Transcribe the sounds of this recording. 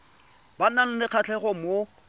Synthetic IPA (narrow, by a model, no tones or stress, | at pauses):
banan̩nɪq͡χʰat͡ɬʰɛχɔmo